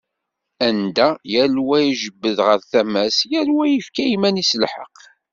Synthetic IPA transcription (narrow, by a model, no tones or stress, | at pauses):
ænd̪æjælwæjiʒəbːəðʁəɾθæmæsjæɾwæjəfkæimænisəlħə̰q